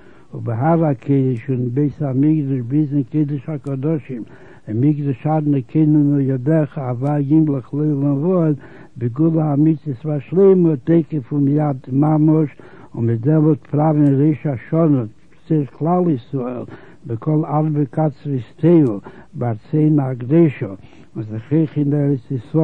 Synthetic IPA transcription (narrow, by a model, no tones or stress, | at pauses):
ʊbɪɦaɾakʰeɪdəʃʊnnbeɪsamɪɡdɔʃbɪzɪnkeɪdəʃakɔdɔʃɪm | ɪmiɡdɔʃadnəkʰɪnənʊjɔdɛχəavaɡɪmlˠəχlˠeɪlˠɪnvɔd | bɪɡulˠəamɪt͡sɪsfaɾʃlˠeɪməteɪkəfʊmjadmaməʃ | ʊnmɪdɛmɔlˠtfɾavnɾeɪʃaʃɔnə | sɪɾklˠalˠɪsɾɔɛlˠ | bɪkʰɔlˠaɾbəkat͡sɾɪsteɪl̩ˠbaɾt͡seɪnaɡdeɪʃɔ | vusɪχeɪχɪndɛɾət͡sisɾɔ